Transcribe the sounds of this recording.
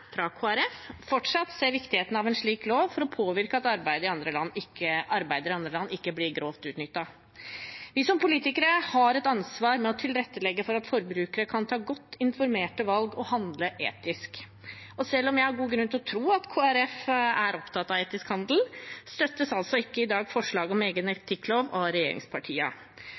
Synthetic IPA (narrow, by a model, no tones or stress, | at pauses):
fɾɑkʰoːæɾɛffɔʈʂɑt̪seːɾʋɪkt̪ɪheːt̪n̩ɑʋɛnʂɭiːkloːʋfɔɾɔpʰoːʋɪɾkəɑt̪ɑɾbæɪd̪əɪɑnd̪ɾəlɑnːɪkːəʔɑɾbæɪd̪əɾɪɑnd̪ɾəlɑnːɪkːəblɪɾɡɾoːʋt̪ʉːt̪nʏt̪ːɑ | ʋɪsɔmpʰʊliːt̪ɪkəɾəhɑɾɛt̪ɑnsʋɑːɾmɛɔt̪ʰɪlɾɛt̪ːəlɛɡːəfɔɾɑt̪fɔɾbɾʉːkəɾəkʰɑnt̪ʰɑːɡɔt̪ːɪnfɔɾmeːʈəʋɑlɡɔhɑnd̪ləʔḛːt̪ɪsk | ɔsɛlːɔmjæɪhɑɾɡuːɡɾʉnt̪ɪlɔt̪ʰɾuːɑt̪kʰoːæɾɛfæɾɔpt̪ʰɑt̪ːɑʋeːt̪ɪskhɑnd̪l̩st̪œt̪ːəsɑlsɔɪkːəɪd̪ɑːɡfɔʂɭɑːɡɔmeːɡənɛt̪ʰɪkːloːʋɔɾɛjḛːɾɪ̰ŋspʰɑʈʰḭːə̰